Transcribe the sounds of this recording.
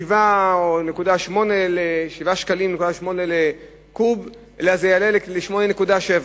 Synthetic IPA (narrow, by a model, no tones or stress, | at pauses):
ivaone̞kudaʃmo̞neleʃivaʃkalimnekudaʃmo̞nele | kub | elazejalelleʃmo̞nenekudaʃeva